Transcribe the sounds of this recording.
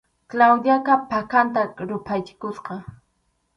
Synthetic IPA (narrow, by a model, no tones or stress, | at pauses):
klawd̪jakapakant̪aɾʊpʰajt͡ʃɪ̥kʊsqɑ